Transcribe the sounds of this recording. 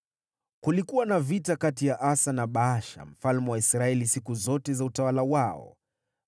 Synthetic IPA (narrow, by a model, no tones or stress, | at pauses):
kulikuwanavitakatijaʔasanaɓaaʃa̰m̩falmɛwaisɾaɛlisikuzɔtɛzautawalawaɔ̰